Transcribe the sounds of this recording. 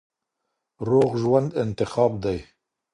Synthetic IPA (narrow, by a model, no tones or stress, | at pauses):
roːɣʒwand̪ɪnt̪ɪxɑːbd̪ɛj